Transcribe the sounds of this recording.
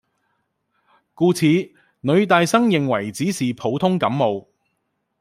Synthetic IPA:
kuː˧t͡sʰiː˨˧ | nɵ˨˧ɥt̪aː˨˧jsɐ˥ŋjɪ˨˩ŋwɐ˨˩jt͡siː˨˥siː˨˩pʰo˨˧wt̪ʰʊ˥ŋkɐ˨˥mmo˨˧w

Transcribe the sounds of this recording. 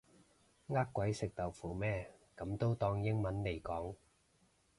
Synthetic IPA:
ŋaː˥kʷːwɐ˨˥jsɪ˨k̚t̪ɐ˨˩wfuː˨˩mɛː˥kɐ˨˥mt̪o˥wt̪ɔː˧ŋjɪ˥ŋmɐ˨˥nle˨˩jkɔː˨˥ŋ

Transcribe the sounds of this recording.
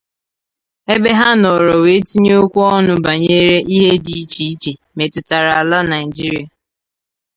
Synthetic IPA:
e˦be˦ɦa˦nɔ˨ɾɔ˨we˨˦ti˦ɲ˦o˦kʷu˦ɔ˦nʊ˨ba˨ɲe˦ɾe˦ʔi˦ɦe˦di˨˦t͡ʃi˦i˦t͡ʃe˨ | me˨tʊ˨ta˨ɾa˨a˨la˦na˨ɪ˨d͡ʒi˦ɾi˦a˨

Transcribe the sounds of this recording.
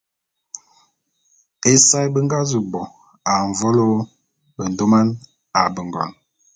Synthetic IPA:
e˨sa˦jbə˦ŋɡa˦zu˨bɔ˨ | a˨ɱ˨vɔ˦lo˦ | bə˨n˨do˦ma˦n | a˨bə˨ŋɡɔ̰˨n

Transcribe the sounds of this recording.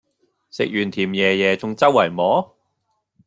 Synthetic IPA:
sɪ̰˨k̚jyː˨˩nt̪ʰiː˨˩mjɛː˨˧jɛː˨˧t͡sʊ˨˧ŋt͡sɐ˥wːɐ˨˩jmɔː˨˥

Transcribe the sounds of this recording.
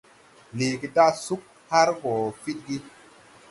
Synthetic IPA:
le˨ki˦da˦su˦k̚ | ha˦ɾko˨fi˦t̚ɡi˦

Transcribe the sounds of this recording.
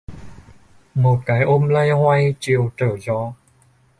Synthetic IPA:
mo˨˩t̚ka˨˦jʔo˧˥mlə˧jhwa˧˥jt͡ɕi˧əwt̪əː˨˩zɔː˧˦

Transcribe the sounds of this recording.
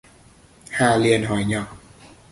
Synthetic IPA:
haː˨˩li˧ənɦɔ˨˩˦jɲɔ˨˩k̚

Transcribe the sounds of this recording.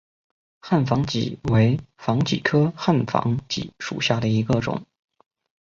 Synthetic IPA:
xa˥˩nfɑ˧˥ŋt͡ɕḭ˨˩˦we˧˥ɪfɑ˧˥ŋt͡ɕḭ˨˩kʰɤ˥xa˥˩nfɑ̰˧˥ŋt͡ɕḭ˨˥ʂṵ˨˩ɕja˥˩d̪ə˩i˧˥ɡə˧ʈ͡ʂʊ̰˨˩˦ŋ

